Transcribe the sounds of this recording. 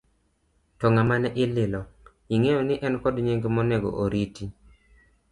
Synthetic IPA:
tɔŋamanɛʔɪlɪlɔ | iŋejonɪʔɛnkɔdɲeŋɡemɔnɛɡɔ̰ʔoɾiti

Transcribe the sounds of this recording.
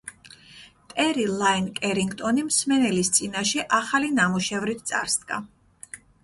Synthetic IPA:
t̪ʼɛɾilˠainkʼɛɾiŋɡt̪ʼɔnimsmɛnɛlist̪sʼinaʃɛʔaχalinamuʃɛvɾit̪̚ʰt̪sʼa̰ɾsd̪ɡa̰

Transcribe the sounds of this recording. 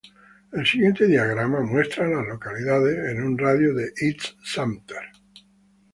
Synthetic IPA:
e̞lsiɣje̞nt̪e̞ðiaɣɾamamwe̞st̪ɾalazlo̞kaliðaðesenunraðjoðeʔitssamt̪eɾ

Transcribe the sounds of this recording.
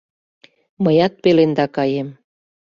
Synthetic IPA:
məjɑt̪̚pelend̪ɑkɑjem

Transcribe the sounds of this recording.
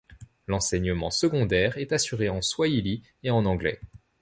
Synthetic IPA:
lɑ̃sɛɲəmɑ̃səɡɔ̃d̪ɛʁɛt̪asyʁeɑ̃swaili | eɑ̃nɑ̃ɡlɛ̰

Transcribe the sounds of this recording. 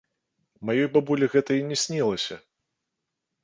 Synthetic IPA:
majɔjbabulʲiɣɛt̪ɐinʲɛsʲnʲilˠɐsʲɐ

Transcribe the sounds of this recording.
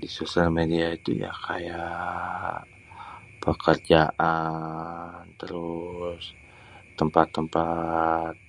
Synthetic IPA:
disosalmediait̪ṵja̰kʰa̰ja | pəkərd͡ʒaʔa | nt̪əɾʊs | t̪əmpat̪ːəmpat̪̚

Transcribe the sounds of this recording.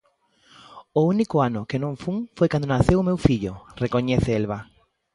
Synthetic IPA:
ʊunikʊanʊkenõŋfuŋfojkand̪onaθewʊmewfiʎʊrekoɲɛθeelβa

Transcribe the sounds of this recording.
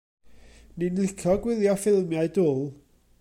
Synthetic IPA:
ninlɪkʰɔɡwɪðjɔfɪlˠmjaɨdʊːlˠ

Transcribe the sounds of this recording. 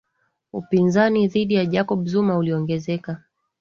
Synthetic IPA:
upinzaniðiɗijaʄakɔɓuzumauliɔŋɡɛzɛka

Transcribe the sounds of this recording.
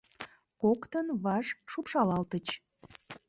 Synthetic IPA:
kokt̪ənβɑʃʃupʃɑlɑlt̪ət͡ɕ

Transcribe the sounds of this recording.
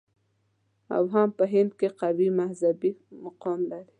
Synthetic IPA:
a̰wɦampəɦɪnd̪̚keqawimahzabimaqɔmlaɾi

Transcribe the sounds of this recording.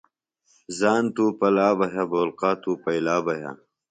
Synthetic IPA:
zaːnt̪uːpɐlaːbɐɦaboːlqaːt̪uːpɐjlaːbɐɦa̰

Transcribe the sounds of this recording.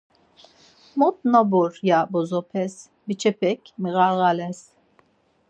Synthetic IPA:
mut̪̚nabuɾjabɔzɔpʰɛs | bit͡ʃʰɛpʰɛkʲmiɣaɣalɛs

